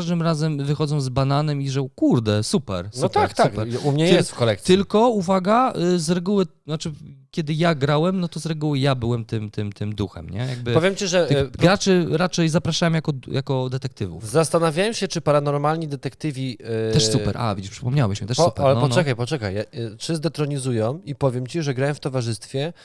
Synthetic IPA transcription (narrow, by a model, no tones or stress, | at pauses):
aʐd̪ɘmɾazɛmvɘxɔd̪zɔ̃w̃zbananɛmiʐɛkuɾd̪ɛsupɛ̰ɾsnt̪akt̪kpɛɾumɲɛjɛst̪fkɔlɛkt̪t̪ɘlkɔuvaɡazɾɛɡuwɘ | nat͡ʂɘkʲɛd̪ɘjaɡɾawɛmnɔt̪ɔzɾɛɡuwɘjabɘwɛmt̪ɘmt̪ɘmt̪ɘmd̪uxɛ̰mɲɛ̰jaɡ̚bɘpɔvʲjemt͡ɕiʐɛɡɡɾat͡ʂɘɾat͡ʂɛjzapɾaʂawɛmjakɔjakɔd̪ɛt̪ɛk̚t̪ɘvṵfzast̪anavʲjajɛmɕɛt͡ʂɘpaɾanɔɾmalɲid̪ɛt̪ɛkt̪ɘvʲiɛʂsupɛ̰ɾʔa̰vʲid͡ʑiʂpʂɘ̥pɔmɲawɛɕmət̪ɛʂsppɛɾalɛnpɔɛkajpɔt͡ʂɛkajt͡ʂɘzd̪ɛt̪ɾɔɲizujɔ̃w̃ipɔvʲjɛmt͡ɕiʐɛɡɾawɛmft̪ɔvaʐɘst̪fʲjɛ